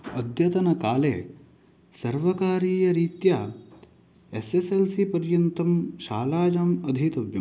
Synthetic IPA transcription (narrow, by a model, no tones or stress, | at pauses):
ɐd̪ʱjɐt̪ɐnɐkaːlḛː | sɐɾʋɐkaːɾiːjɐɾiːt̪jaː | eseselsipɐɾjɐnt̪ɐmʃaːlaːd͡ʒɐmɐd̪ʱit̪ɐʋjɐ